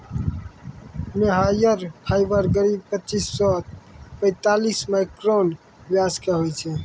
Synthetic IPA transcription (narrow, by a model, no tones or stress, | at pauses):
meɦajəɾpʰajbəɾɡəɾib̚pət͡ʃisːɔpə̃ɪ̃t̪alismaɪkɾon | bjaskeɦojt͡ʃʰɛ